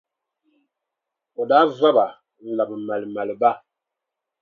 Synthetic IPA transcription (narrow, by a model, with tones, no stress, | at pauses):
o˨da˦za˦ba˨ | la˨bma˨lma˨lba˦